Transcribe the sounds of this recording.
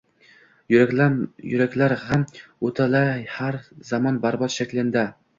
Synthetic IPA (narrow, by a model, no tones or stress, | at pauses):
jʊɾakʲlaɾhamɵt̪ʰalahaɾzɒmɒnbaɾbɒt̪ʃakʲlɪnd̪a